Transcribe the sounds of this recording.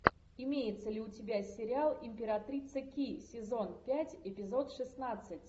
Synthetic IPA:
ɪmʲejɪt̪səlʲɪʊtʲɪbʲasʲɪɾʲɪalˠɪmʲpʲɪɾɐt̪ɾʲit̪səkʲisʲɪzo̞npʲætʲɪpʲɪzo̞t̪ʂɨsnat̪sɨtʲ

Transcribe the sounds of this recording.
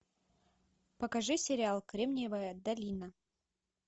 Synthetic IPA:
pɐkɐʐɨsʲɪɾʲɪalˠkɾʲemnʲɪvəjəd̪ɐlʲinə

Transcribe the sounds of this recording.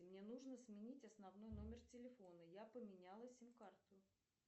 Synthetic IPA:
mnʲe̞nuʐnəsmʲɪnʲitʲɐsnɐvn̪o̞jno̞mʲɪrtʲɪlʲɪfo̞nəjapəmʲɪnʲalˠəsʲimkart̪ʊ

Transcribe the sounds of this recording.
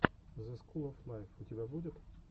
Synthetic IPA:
zɐskulˠɐfnajfʊtʲɪbʲabudʲɪt̪

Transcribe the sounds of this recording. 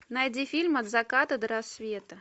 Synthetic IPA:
najd͡zʲifʲilʲmɐd̪zakat̪ɐd̪ɐɾasʲvʲeɛt̪ɐ

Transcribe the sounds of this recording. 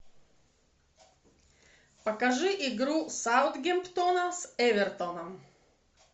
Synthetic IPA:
pɐkɐʒʊʔiɡɾuːsaʊd̪ɡʲɛmpt̪onɐsɛʋʲɛɾt̪ɔnɐm

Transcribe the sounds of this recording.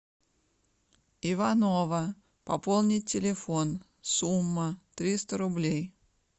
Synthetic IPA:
ɪvɐnovə | pɐpolˠnʲɪɪlʲɪfon | sumːət̪ɾʲist̪əɾʊblʲej

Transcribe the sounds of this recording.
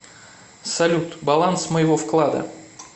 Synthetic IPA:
sɐlʲut̪bɐlˠansməjɪvo̞fklˠad̪ə̰

